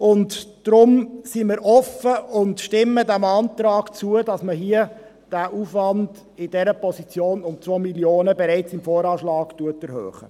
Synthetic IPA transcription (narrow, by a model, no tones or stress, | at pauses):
ʊntd̥ɾʊmsimɪɾʔɔfəʊndʃtɪmːədæmɑːntɾɑːɡ̥t͡suədɑsməɦiə | d̥æːʔuːfʋɑnd | ɪdɛɾəpʰɔsit͡sjoːnʊmt͡sʋoːmiljoːnəbɛɾɛɪt͡sɪmfoːɾɑːʃlɑːɡ̥tuətɛɾhø̰ːχə̰